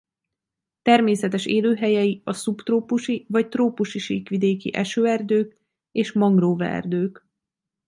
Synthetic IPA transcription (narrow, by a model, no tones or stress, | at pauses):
t̪ɛrmeːsɛt̪ɛʃeːløːɦɛjɛjiɒsupt̪roːpuʃivɒct̪roːpuʃiʃiːkʋid̪eːkḭʔɛʃøːɛrd̪øːk | eːʃmɒŋɡroːvɛ̰ɛ̰rd̪øːk